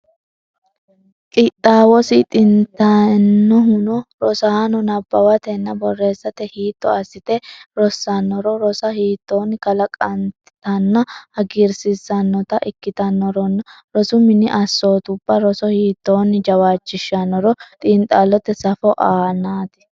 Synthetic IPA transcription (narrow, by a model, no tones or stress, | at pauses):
kʼɪt̪ʼːaːwɔsɪt̪ʼɪnt̪ːɐnːɔɦʊnɔɾɔsɐɐnɔnɐbːɐwɐt̪ɛnːɐbɔrːe̞ːsːɐt̪ɛhiːt̪ːɔ̰ɐsːɪt̪ɛɾɔsːɐnːɔɾɔɾɔsɐhiːt̪ːo̞ːnːɪkɐlɐkʼɐnt̪ɪt̪ɐnːɐhɐɡɪɾsɪsːɐnːɔt̪ɐʔɪkːɪt̪ɐnːɔɾɔnːɐ | ɾɔsʊmɪnɪʔɐsːoːt̪ʊb̥ːɐɾɔsɔhiːt̪ːo̞ːnːɪd͡ʒɐwaːt͡ʃːɪʃːɐnːɔɾɔt̪ʼiːnt̪ʼaːlːɔt̪ːɛsɐfɔʔaːnaːt̪ɪ̥